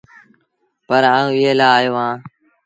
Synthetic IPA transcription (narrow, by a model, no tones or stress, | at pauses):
pəɾaːũːɪɦeːlaːjoːɦãː